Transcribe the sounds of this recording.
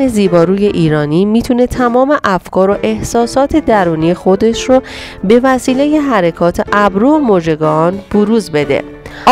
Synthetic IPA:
eziːbɒːɾuːje̞ʔiːɾɒːniːmiːt̪ʰune̞t̪ʰæmɒːme̞ʔæfkʰɒːɾoʔe̞hsɒːsɒːt̪ʰe̞d̪æɾuːnijexo̞d̪e̞ʃro | be̞væsiːle̞je̞ɦæɾekʰɒːt̪ʰeʔæbɾomoːd͡ʒe̞ɡɒnb̥oɾuːzbe̞d̪e̞̰

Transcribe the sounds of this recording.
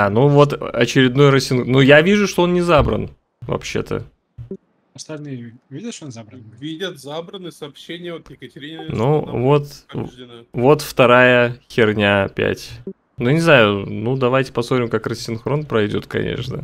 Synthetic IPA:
anuvo̞t̪ɐ̰t͡ɕɪɾʲɪd̪no̞jrəsʲːɪnxnujavʲiʐʊʂt̪o̞o̞nnʲɪzabɾə̰n | vɐ̰pɕːe̞̰t̪ʰə̰ | ɐst̪ɐlʲnɨj | vʲidʲət̪ʂonzabɾənvʲidʲət̪zabɾənɨsɐːpɕenʲɪjəot̪jɪkətʲɪɾʲinuvo̞t̪ | vo̞t̪ft̪ɐɾajəxxʲɪrnʲapʲæ̰tʲ | nunʲɪznajʊnud̪ɐvajtʲɪ̥pɐsot̪ɾʲɪmkakrəsʲːɪnxɾo̞npɾɐjdʲo̞̰t̪kɐ̰nʲḛʂnə̰

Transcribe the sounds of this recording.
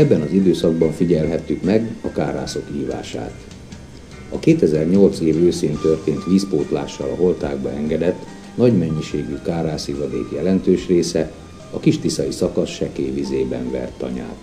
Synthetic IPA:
ɛbːɛnɒzid̪øːsɒɡ̚bɒɱfiɟɛlɦɛt̪ːykmɛɡɒkaːɾa̰ːso̞kiːva̰ːʃa̰ːt̪ | ɒkeːt̪ɛzɛrɲo̞lt̪seːvøːseːnt̪ø̞rt̪eːnt̪ʋiːspoːt̪la̰ːʃːɒlɒɦo̞lt̪aːɡbɒɛŋɡɛd̪ɛt̪ː | nɒɟmɛɲːiʃeːɡykaːraːsivɒd̪ḛːkjɛlɛnt̪øːʃreːsɛ | ɒkiʃt̪isɒisɒkɒsʃɛkeːvizeːbɛ̰ɱvɛ̰rt̪ːɒ̰ɲa̰ːt̪

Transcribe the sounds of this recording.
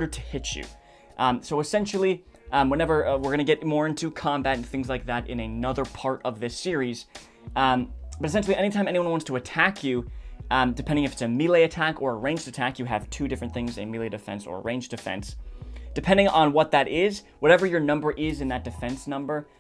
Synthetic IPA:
ɾə˞ɾʰɨ̥hɪt͡ʃjʉ̰ | ʔsoʊɨsɛ̃nʃl̩ˠi | ʔwɛ̃nɛvə˞wɪɹɡʌ̃nɨɡɛt̚mɔɹɪ̃ntʰʉkʰɑ̃mbæɾɨ̃n̩θɪ̃ŋzlaɪk̚ðæɾɨ̰̃nɨnʌðə˞pʰɑɹɾʌvðɪsɪɹiz̥ | b̥ʌɾɨsɛ̃nʃl̩ˠiʔɛ̃ɾnitʰãɪ̃mɛ̃niwʌ̃nwɑ̃ntstʰəɨtʰækʰjʉ | dɨpʰɛ̃ndɪ̃ŋɨfɨtsɨmilˠeɪɨtʰækə˞əɹẽɪ̃nd͡ʒdɨtʰækjɨɨ̰v̥tʰʉdɪfɹɨ̃nθɪ̃ŋzɨ̰milˠeɪɾɨfɛ̰̃nsə̰˞ə̰ɹẽɪ̃nd͡ʒdɨfɛ̰̃nsd̥ɨpʰɛ̃ndɪ̃ŋə̃n̩wʌt̪̚ðɨɾʔɪz | wʌɾɛvə˞jə˞nʌ̃mbə˞ʔɪzɨ̃nðɨt̚d̥ɨfɛ̃nsnʌ̃mbə˞

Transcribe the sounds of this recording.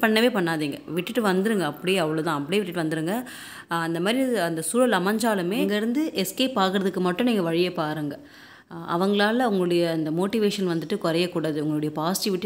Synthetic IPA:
pɐɳːɐʋeːpɐɳːaːðiːŋɡɐʋɪʈːɯʈːɯʋɐnd̪ɯɾɯŋɡɐːpːɐɽɪjeːɐʋɐɭot̪ãːɐpːɐɽɪjeːʋɪʈːɯʈːɯʋɐnd̪ɯɾɯŋɡɐ | ɐnd̪ɐmaːd̪ɾiɐnd̪ɐsuːɾɐlɐmɐɲd͡ʒaːlɯmeːŋɡɐɪɾɯnd̪ɯʔɛskeːpːaːɾkɯɾɐðɯkːɯmɐʈːʊ̃niːŋɡɐʋɐɻɪjɐpːaːɾɯŋɡɐ | ɐ̰ʋɐŋɡɐɭaːlɐʊŋɡɐɭʊɽɐjɐːnd̪ɐmoːʈɪʋeːʂɐnʋɐnd̪ɯʈːɯkɔɾɐjɐkːuːɽaːðɯʊŋɡɐɭɯɽɐjɐpaːsɪ̥ʈɪʋɪʈː

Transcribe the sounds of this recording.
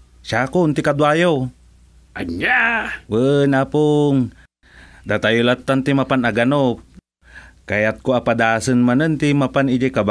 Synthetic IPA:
ʃakont̪ɪkad̪wajow | ʔaɲawənapoŋ | d̪at̪ajʊlat̪ːant̪imapanaɡanop̚ | kajat̪̚koapad̪asɨnmanənt̪imapanid͡ʒakab

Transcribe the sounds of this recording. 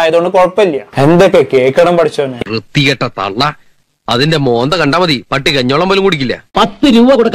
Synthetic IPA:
jɐðoɳɖɨkorɐpːɐilːijɐe̞nd̪okːekeːkʲːɐɽɐmpɐʈʰit͡ɕːɐɐnːerɨt̪ːiɣɐʈːɐt̪ɐ̰ɭːɐ | ɐðinde̞mo̞ːnd̪ɐkɐɳɖaːmɐðipɐʈːikɐɲːo̞ːɭɐmʋɐlumkuɽik̬ʲːilːɐ̰pɐt̪ːɨɾuːbɐkuɽɐkː

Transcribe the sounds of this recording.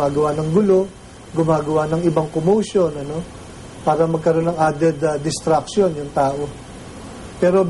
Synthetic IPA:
aːɡɐwanɐŋɡʊlo̞ | ɡʊmaːɡɐwanɐŋɪbaŋkomowʃo̞nɐno̞ | paːɾɐmɐɡ̚kɐɾo̞nːɐŋʔad̪ɛd̪ɐd̪ɪst̪ɾɐk̚ʃjo̞njʊŋt̪aːʔo̞ | pɛːɾo̞

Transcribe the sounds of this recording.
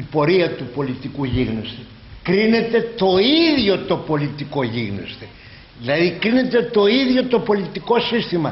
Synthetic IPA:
ipo̞ɾiɐt̪upo̞lit̪ikuʝiɣnost̪e | kɾine̞t̪e̞t̪o̞iðʝo̞t̪o̞po̞lit̪iko̞ʝiɣno̰st̪e | ðilɐðikɾine̞t̪e̞t̪o̞iðʝo̞t̪o̞po̞lit̪iko̞sist̪imɐ

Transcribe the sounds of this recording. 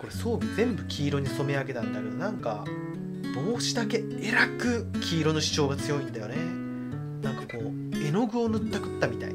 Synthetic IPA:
ko̞ɾe̞so̞ːɡʲizẽ̞mbɯ̟kʲʰiːɾo̞ɲ̟iso̞me̞aɡe̞t̪ãnd̪ake̞d̪o̞nãŋka̰ | b̥o̞ːɕid̪ake̞ | eɾakɯ̟kʲʰiːɾo̞no̞ɕi̥t͡ɕo̞ːɡat͡sɨjo̞it̪ed̪ajo̞̰ne | nãŋkḁko̞ː | e̞no̞ɡɯ̟o̞nɯ̟t̪ːakɯ̟̥t̪ːamʲit̪a̰ḭ

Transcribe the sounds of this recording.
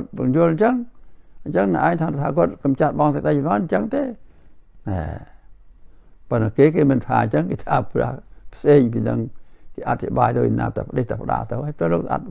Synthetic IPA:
t̪̚pəŋjuəlɲt͡ɕəŋʔɲt͡ɕəŋnə̰ʔa̰ːŋt̪ʰaːt̪ʰaːkuət̪̚kɑmt͡ɕat̪̚ɓɑŋsək̚ɗəjnɔɲt͡ɕəŋt̪eː | nɛ̰ː | pənəkeːkeːmɨnt̪ʰa̰ːɲt͡ɕəŋket̪ʰaːprɛ̰̆əpʰseːɲp̬iːnɨ̰ŋkeːʔat̪ʰːiɓaːjt̪oːc̚na̰ːt̪ə̰wpəɗeht̪əpəɗa̰ːlt̪ɨwhajpɾəːloːkʔa̰t̪̚

